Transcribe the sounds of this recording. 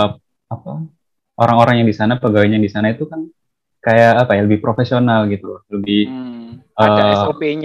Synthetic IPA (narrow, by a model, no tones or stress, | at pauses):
apa | oɾaŋoɾaŋjaŋdisanapəɡawɛɲaŋdisanait̪ukan | kajaːpajaləbɪhpɾofesionalɡit̪ul̰ləbɪhʔəːɛsopeɲ